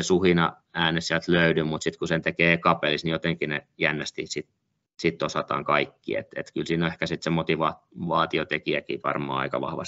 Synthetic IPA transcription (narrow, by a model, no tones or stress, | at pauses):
esuhinɑ | æːnessiælt̪løydymmut̪sit̪kusent̪ekeːkɑpelisnijot̪eŋkinejænːæst̪isit̪ | sit̪ːosɑt̪ɑ̰ːŋkɑikːḭḛt̪ḛt̪kylsiːnoehkæsit̪semot̪iʋɑ | ʋɑːt̪iot̪ekiækḭːʋɑ̰rmɑ̰ːɑ̰ikɑʋɑ̰hʋɑ̰s